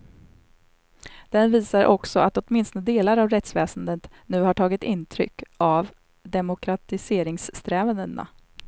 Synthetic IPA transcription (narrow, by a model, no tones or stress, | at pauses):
d̪̥ɛnviːsaɾʔɔksɔat̪ɔt̪mɪnst̪nəd̪eːlaɾavɾɛt̪svɛːsənd̪ət̪ | nʉ̟ːhaʈʰɑːɡɪt̪ɪnːt̪ʰɾʏ̰kːav | d̪ɛmʊkʰɾat̪ɪseːɾɪŋsːt̪ɾɛːvənd̪əna̰